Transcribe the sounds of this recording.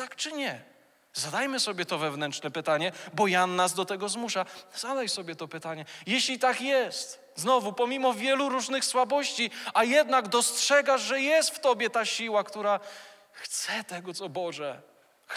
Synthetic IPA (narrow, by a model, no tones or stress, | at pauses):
t̪akt͡ʂɘɲɛ | zad̪ajmɘsɔbʲjɛt̪ɔvɛvnɛntʂnɛpɘt̪aɲɛbɔjanːazd̪ɔt̪ɛɡɔzmuʂazad̪ajsɔbʲjɛt̪ɔpɘt̪aɲɛjɛɕlʲit̪akjɛst̪ | znɔvupɔmʲimɔvʲjɛluɾuʐnɘxswabɔɕt͡ɕiajɛd̪naɡd̪ɔstʂɛɡaʐʐɛjɛst̪ft̪ɔbʲjɛt̪aɕiwakt̪uɾa | xt̪sɛt̪ɛɡɔt̪sɔbɔʐɛ